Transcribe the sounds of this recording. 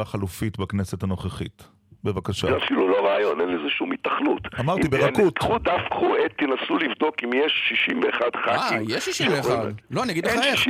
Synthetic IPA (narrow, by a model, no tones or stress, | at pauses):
aχalufit̪bakneset̪ano̞χeχit̪ | bevakaʃazɛafilulo̞ʁaːjonenlezeʃumit̪aχnṵt̪amaʁit̪ibeʁakut̪ud̪afkχoʔet̪ːinasulivd̪o̞kimjeʃːiʃimveːχad̪χaaijeʃːiʃimveːχadlo̞aniaɡid̪leae